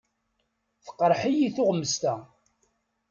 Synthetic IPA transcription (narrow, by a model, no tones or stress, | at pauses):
θə̥qːəɾˤħijiθʊʁmːəst̪æ